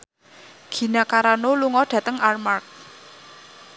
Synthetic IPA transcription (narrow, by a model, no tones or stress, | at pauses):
ɡ̥i̤nakaɾanoluŋɔɖ̥ä̤t̪əŋarmark̚